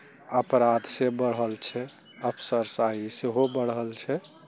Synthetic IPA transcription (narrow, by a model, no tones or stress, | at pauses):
əpɾad̪sebəɽɦəlt͡ʃʰɛ | əpʰsəɾsaiseɦobəɽɦəlt͡ʃʰɛ